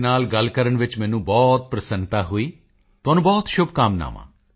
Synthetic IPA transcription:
naːlɡəlkəɾəɳʋɪt͡ʃmɛ̃ːnũːbɔːt̪̚pɾəsənt̪aːɦoiː | t̪ʊɦaːnũːbɔːt̪ʃʊb̚kaːmna̰ːʋã̰ː

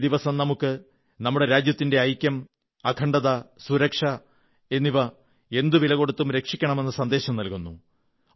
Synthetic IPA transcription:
d̪iʋɐsɐmnɐmukːɨ | nɐmːuɽe̞ɾaːd͡ʑjɐt̪ːinde̞ɐjkʲːɐm | ɐkʰɐɳɖɐðɐsuɾɐkʂɐ | e̞nːiʋɐ | e̞nd̪uʋilɐɣo̞ɽut̪ːumɾe̞kʂikʲːɐɳɐme̞nːɨsɐnd̪e̞ːɕɐmnɐlkunːu

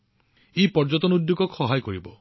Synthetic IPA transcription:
epɔɾd͡ʒɔt̪ɔnud̪juɡɔkʰɔɦajkɔɾibɔ

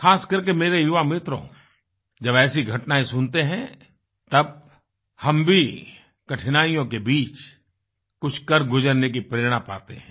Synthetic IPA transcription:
xaːskɐɾkemeːɾejʊʋamɪt̪ɾõ̰ | d͡ʒɐbɛːsiɡʱɐʈnaːĩsʊnt̪eɦɛ̃ | t̪ɐb̚ | hɐmbʱi | kɐʈʰɪnaːijõk̬ebiːt͡ʃ | kʊt͡ʃʰkɐɾɡʊd͡ʒəɾnek̬ipɾeːɾɽ̃apa̰ːt̪ḛɦɛ̃ː

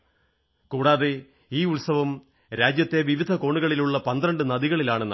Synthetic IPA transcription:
kuːɽaːðe | iːuɭsɐʋɐm | ɾaːd͡ʑjɐt̪ːe̞ʋiʋid̪ʱɐko̞ːɳuɣɐɭiluɭːɐpɐnd̪ɾɐɳɖɨnɐðiɣɐɭilaːɳɨn

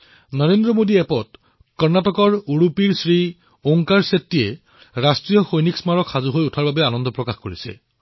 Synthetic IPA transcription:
nɔɹendɹɔmodiɛpɔt | kɔɹnatɔkɔɹuɹupiɹsɹi | oŋkaɹsetːijɛ | ɹastɹijɔxojniksmaɹɔkxazuɦojutʰaɹbabɛanɔndɔpɹɔkaxkoɹisɛ̰

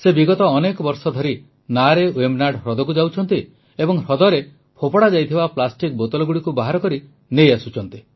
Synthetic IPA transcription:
sebiɡɔt̪ɔːnekɔbɔɾsɔd̪ʱɔɾi | naɾewemnaɖɦɾɔd̪ɔkud͡ʒawt͡ʃʰɔnt̪i | ebɔŋɾɔd̪ɔɾe | pʰopɔɽad͡ʒajt̪ʰibaplasʈik̚bot̪ɔlɔɡuɽikubaɦaɾɔkɔɾi | nejasut͡ʃʰɔnt̪i

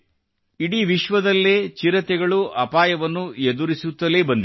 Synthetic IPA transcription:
iɽiːʋiʃʋɐd̪ɐlːet͡ʃiɾɐt̪ɛɡɐɭuʔɐpaːjɐʋɐnːued̪uɾisut̪ːɐlebɐnd̪i

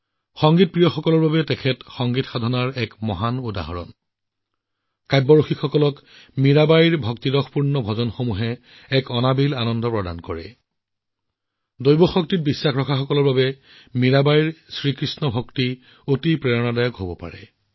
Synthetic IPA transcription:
xɔŋɡit̚pɹijɔxɔkɔlɔɹbabɛtɛkʰɛtxɔŋɡitxadʱɔnaɹɛkmɔɦanuda̰ɦɔɹɔ̰n | kajbːɔɹoxikxɔkɔlɔk | miɹabajiɹbʱɔktidɔxpuɹnɔbʱɔzɔnxomuɦɛ | ɛkɔnabilanɔndɔpɹɔda̰nkɔɹɛ̰ | dojbɔxɔk̚tit̚bisːaxɹɔkʰaxɔkɔlɔɹbabɛ | miɹabajiɹsɹikɹisnɔbʱɔkti | otipɹɛɹɔnadajɔkɦobɔpa̰ɹɛ̰

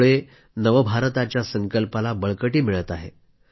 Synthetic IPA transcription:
ɭe | nəʋəbʱaɾt̪at͡ɕjasəŋkəlpalabəɭkəʈiːmiɭət̪aɦḛ

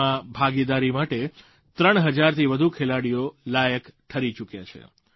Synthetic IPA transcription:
ãbʱaɡid̪aɾimaʈe | t̪ɾəɳ̃ɦəd͡ʒaɾt̪ʰiʋəd̪ʱukʰelaɽijolajəkʈʰəɾit͡ʃukjat͡ʃʰḛ

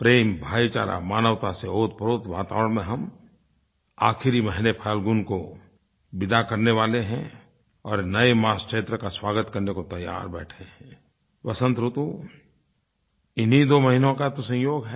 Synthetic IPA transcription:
pɾeːmbʱaːit͡ʃa̰ːɾa̰maːnəʋt̪aseoːt̪̚pəɾoːt̪ʋa̰ːt̪a̰ːʋəɾəɽ̃mẽɦɐm | aːkʰɪɾiməɦnepʰaːlɡʊnko | bɪd̪akɐɾneʋaːleɦɛ̃ | ɔːɾnɐemaːskʃeːt̪ɾəkaswaːɡət̪kəɾnekot̪ɐja̰ːɾbɛ̰ːʈʰeɦɛ̃ | ʋɐsə̃nt̪ɾʊt̪u | ɪnɦid̪oːməɦinõkat̪osə̃jjoːɡɦɛ

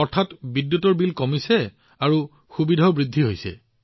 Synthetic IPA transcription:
ɔɹtʰatbidjutɔɹbilkɔmisɛ | aɹu | xubidʱɔbɹidʱːiɦojsɛ̰

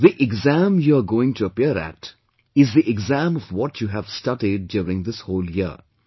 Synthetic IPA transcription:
ðiʔɪɡzæ̃mjuəɡoːɪ̃ŋtʰuəpiəɾæ̰t | ɪzðiʔɪɡzæ̃mɔvwɔtʰjuːɦæv̥stʌʈiɖ̚ːjuɾɪ̃ŋd̪ɪshoːljiə̰

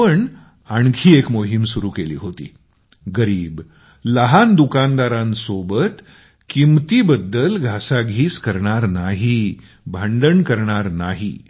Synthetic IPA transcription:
əɳ | aɳkʰiːekmoɦimsuɾuːkelḭːɦot̪ḭː | ɡəɾiːb | ləɦand̪ukand̪aɾãnsobət̪ | kimt̪iːbəd̪ːəlɡʱasaɡʱiːskəɾɳaɾnaɦi | bʱaɳɖəɳkəɾɳaɾnaɦḭ

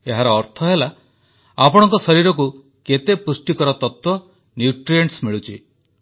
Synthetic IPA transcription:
eɦaɾɔːɾt̪ʰɔɦela | apɔɽ̃ɔŋkɔsɔɾiɾɔk̬u | ket̪epusʈikɔɾɔt̪ɔt̪wɔ | njuʈɾieɳʈsmiɭut͡ʃʰḭ

